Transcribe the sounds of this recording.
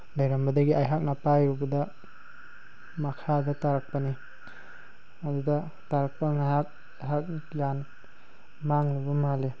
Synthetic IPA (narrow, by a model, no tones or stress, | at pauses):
lajɾambɐdɐɡiʔajɦak̚napajubɐdɐ | makʰadataɾak̚pani | aduda | taɾak̚paŋajak̚ | ajɦak̚jan | maŋlubɐmale